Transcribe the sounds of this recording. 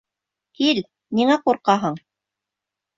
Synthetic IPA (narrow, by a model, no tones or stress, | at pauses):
kil | niŋæquɾqɑɦɤɴ